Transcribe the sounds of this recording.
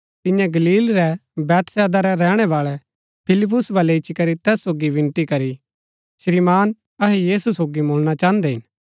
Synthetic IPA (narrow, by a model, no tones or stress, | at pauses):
t̪ɪ̃jãɡɐliːlɾɛbɛːt̪sɛːd̪aɾɛɾɛːɽ̃ɛʋaːɭɛ | pʰɪlɪp̬ːʊsbaːlɛɪt͡ʃikɐɾit̪ɛːsːoːɡiʋɪ̃nt̪ikɐɾi | ʃɾimaːn | ɐɦɛjiːsusoːɡiboːlɽ̃at͡ʃaːənd̪ɛɦɪn